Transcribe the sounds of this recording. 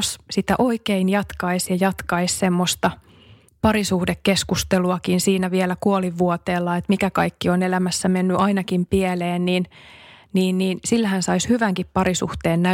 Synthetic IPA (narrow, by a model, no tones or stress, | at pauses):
ssit̪æʔoikeinjɑt̪kɑisjɑjɑt̪kɑissemːost̪ɑ | pɑɾisuhdekːeskust̪eluɑkinsiːnæʋielækuoliʋːuot̪eːlːɑet̪mikækɑikːionelæmæsːæmenːyʔɑinɑkimpieleːnniːnniːnniːnsilːæhænsɑishyʋæŋkippɑɾisṵht̪eːnnæ